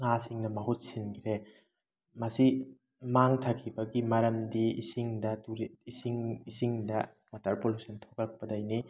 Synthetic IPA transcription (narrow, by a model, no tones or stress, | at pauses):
ŋasiŋnɐmɐɦut̚sinkʰiɾe | mɐsi | maŋtʰakʰibɐɡimɐɾɐmdiːsiŋdɐtuɾiisiŋisiŋdɐ | watʰɐɾpolusɐntʰokɐk̚pɐdajni